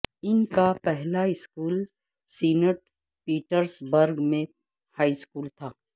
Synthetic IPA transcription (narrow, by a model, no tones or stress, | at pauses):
ɪnkapɛɦlaɪskuːl | siːnəʈ | piːʈəɾsbəɾɡmẽ | haːiskuːlt̪ʰaː